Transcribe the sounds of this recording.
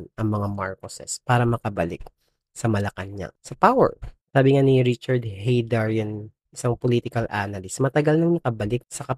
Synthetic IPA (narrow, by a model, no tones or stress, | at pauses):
nʔɐŋmɐŋamaɹkosɛ̰spaːɾɐmɐkɐbɐlɪk̚ | sɐmɐlɐkɐnɲa̰sɐpawɛ̰ɹsaːbɪŋaniɾɪt͡ʃɐɹd̪hɛjd̪aɹjɐn | ʔɪsaŋpoliːt̪ɪkɐlʔaːnɐlɪsmɐt̪ɐɡɐlnɐŋnɐkɐbɐlɪk̚sɐkɐ